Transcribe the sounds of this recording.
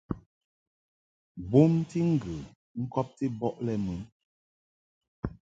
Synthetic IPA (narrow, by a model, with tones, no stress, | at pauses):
bu˦m˦ti˦ŋ̩˦ɡɨ˨ | ŋ̩˦kɔ˦p̚ti˦bɔ˦ʔlɛ˦mʉ˨˦n